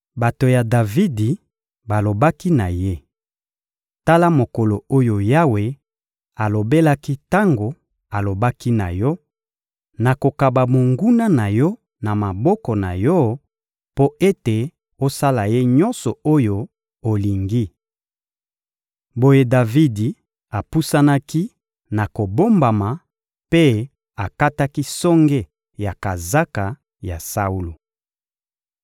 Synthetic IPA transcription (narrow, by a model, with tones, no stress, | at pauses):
ba˨to˨ja˨da˨vi˦di˨ | ba˨lo˨ba˦ki˦na˨je˦ | ta˦la˦mo˨ko˨lo˨o˦jo˨ja˦we˨ | a˨lo˨be˦la˦ki˦ta˦ŋɡo˨ | a˨lo˨ba˦ki˦na̰˨jɔ˦ | na˨ko˨ka˨ba˨mo˨ŋɡu˦na˦na˨jɔ˦ | na˨ma˨bɔ˦kɔ˨na̰˨jɔ˦ | po˦e˦te˨ | o˦sa˦la˨je˦ɲɔ˦nsɔ˨o˦jo˦ | o˨li˨ŋɡi˦ | bo˦je˦da˨vi˦di˨ | a˨pu˦sa˦na˦ki˦ | na˨ko˨bo˦mba˨ma˨ | pe˦ | a˨ka˦ta˦ki˦sɔ˦ŋɡe˦ | ja˨ka˨za˦ka˨ | ja˨sa˦u˦lo˨